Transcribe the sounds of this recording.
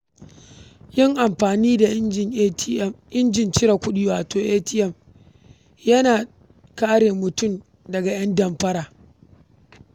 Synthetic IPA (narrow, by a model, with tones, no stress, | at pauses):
jɪ˦ŋʔa˨mɸaː˨niː˦da˨˦˨ʔɪ˦nd͡ʒɪ˨nt͡ʃɪ˦ɾa˨kʷʊ˦ɗiː˦waː˨toː˨ʔeː˦tɪ˦ʔɛ˦˨m | jɐ˦naː˨ | kaː˦ɽeː˨mʊ˨tʊ˦˨m | dɐ˨ɡa˨j̰ɐ˦ndɐ˨mɸɐ˦ɽaː˨